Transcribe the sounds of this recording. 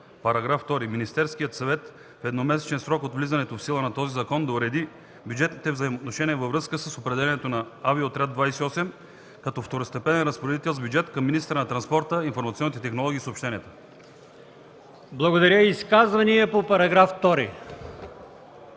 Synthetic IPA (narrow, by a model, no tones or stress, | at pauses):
pɐɾɐɡɾaft̪ɔɾiminist̪ɛɾskijət̪sɐvɛt̪ | fɛd̪nomɛsɛ̥t͡ʃɛnsɾɔkot̪vlizɐnɛt̪ofsilˠənɐt̪ɔzizɐkɔnd̪ɐʊɾɛd̪i | bjud͡ʒɛt̪nit̪ɛvzɐimot̪noʃɛniɛvɐvɾɤskəsəsopɾɛd̪ɛlɛnɛt̪onɐaviot̪ɾʲad̪vajsɛiɔsɛm | kɐt̪ɔft̪oɾost̪ɛpɛnɛnɾəspoɾɛd̪it̪ɛlˠzbjud͡ʒɛt̪kɐmːinist̪əɾənɐt̪ɾɐnspɔɾt̪əinfoɾmɐt̪siɔnit̪ɛt̪ɛxnolˠɔɡʲiːsopʃt̪ɛniət̪ə̥ | blˠɐɡod̪ɐɾʲəiskazvɐniɛpopɐɾɐɡɾaft̪ɔɾḭ